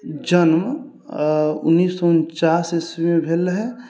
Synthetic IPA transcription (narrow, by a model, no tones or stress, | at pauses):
d͡ʒənm | ʊ̰nːiːsːɔʊnt͡ʃaːseswimẽbʱeːlɦɛ